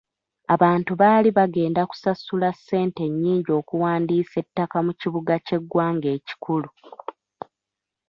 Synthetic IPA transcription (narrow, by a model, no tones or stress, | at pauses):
aβaːntuβaːliβaɡe̞ːndaku̥sasulasːe̞ːnte̞ɲːiːɲɟo̞ːkuwaːndiːse̞tːakamuciβuɡace̞ɡːwaːŋɡe̞ːci̥kʰulu